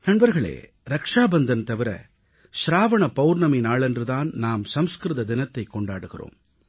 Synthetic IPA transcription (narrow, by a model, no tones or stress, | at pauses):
nɐɳbɐɾɣɐɭḛː | ɾɐkʂaːbɐnd̪ɐnt̪ɐʋɪɾɐ̰ | ʃɾaːʋɐɳɐpɐwɾnɐmɪnaːɭɛndrɯðaːnnaːmsɐmskɾɯðɐd̪ɪnɐt̪ːɐɪkːɔɳɖaːɽɯɣɪro̰ːm